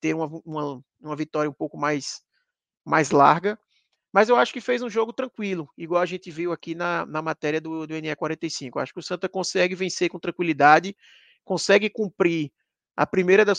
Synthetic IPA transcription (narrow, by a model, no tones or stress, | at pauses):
t̪eɾũɐũmɐ | ũmɐvit̪ɔɾjɐũpowkʊmajs | majzla̰ɾɡɐ | mɐzewaʃʊ̥kɪfejzũʒoɡʊt̪ɾɐ̃kwilʊiɡwawɐʒẽnt̪ɪviwakinɐnɐmat̪ɛɾiɐd̪ʊd̪ʊẽniakwaɾẽnt̪ejsĩkʊa̰ʃʊ̥kɪʊsɐ̃nt̪ɐkõsɛɡɪvẽsekõt̪ɾɐ̃ŋkwilid̪ad͡ʒɪ | kõsɛɡɪkũpɾi | ɐ̰pɾimejɾɐd̪ɐs